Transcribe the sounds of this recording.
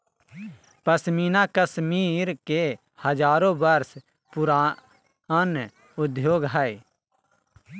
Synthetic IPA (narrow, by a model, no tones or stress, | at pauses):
pɐsmiːnãkɐsmiːɾke | hɐd͡ʒaːɾõbɐɾs | pʊɾa | an | ʊd̪joːɡɦaːeː